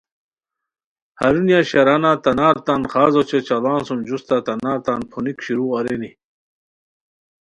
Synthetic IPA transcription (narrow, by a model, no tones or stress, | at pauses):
hɐ̰ɾunjaɕɐɾanat̪ɐnaːɾt̪anχaːzot͡ɕet͡ɕɐlaːnsumd͡ʑust̪at̪ɐnaːɾt̪anpʰunikɕiɾuːɐɾeni